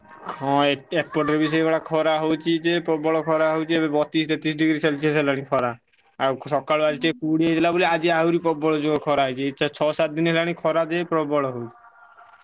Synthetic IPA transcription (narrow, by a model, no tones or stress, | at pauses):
ɦɔ̃eeʈ̚poɾʈeɾbiʃ̬ɔekɔʈakʰɔɾaɦowt͡ɕʰid͡ʑepɔbɔɭokʰɔɾaɦowt͡ʃʰiebebɔt̪ist̪et̪is̬ɖiɡɾiselt͡ɕʰeslaɽikʰɔɾa | akʃɔkːaload͡ʑit͡ʃekuɽied͡ʑʰilaboliad͡ʑiaɦuɾipɔbɔɭod͡ʑokʰɔɾaɦɔjt͡ɕʰeiʃʰat͡ɕʰɔsat̪̚d̪inɦɛlanikʰɔɾad̪epɾɔbɔɭoɦowt͡ʃʰi̥